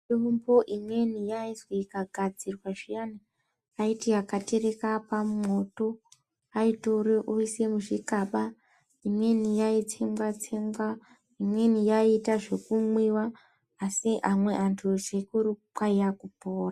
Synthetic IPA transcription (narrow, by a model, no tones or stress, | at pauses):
eumbo̞ʔimwe̞nijaiswikaɡʱad͡zirwaʐijani | aitiakate̞ɾe̞kapamumo̞to̞ | aitoɾeʔuise̞muʐikaɓa | imwe̞nijait͡sembwat͡semba | imwe̞nijaitaʐe̞kumwiwaː | siʔamwe̞ʔantʰuʐekuɾukwaijakupoːra